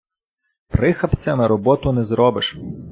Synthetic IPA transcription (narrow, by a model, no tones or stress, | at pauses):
pɾɪxɐpt͡sʲɐmɪɾɔbɔt̪ʊnɛzɾɔbɪʃ